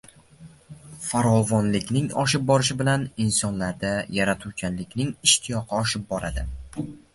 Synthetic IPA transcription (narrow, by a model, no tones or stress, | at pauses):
faɾɒvɒnlɪkʲnɪŋɒ̰ʃɪp̚bɒɾɪʃɪbɪlanɪnsɒnlaɾd̪ajaɾat̪ʰukʲʰanlɪkʲnɪŋɪʃt̪ʰɪjɒqʰɨɒʃɪp̚bɒɾʔad̪ɪ